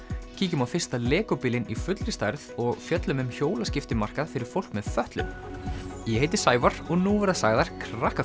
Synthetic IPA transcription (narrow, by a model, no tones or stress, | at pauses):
cʰiːcʏmawfɪr̥st̪alɛːkʏpiːlɪnifʏt̪lɾɪst̪ajɾðɔɣfjœt̪lʏmʏmçoːwlascɪft̪ɪmar̥kaðfɪɾɪɾ̥fowl̥kmɛðfœht̪lʏ̰m | jɛheːjt̪ɪ̥saːjvaɾ̥ɔɣnuvɛɾðasaːɣðaɾ̥kʰɾahka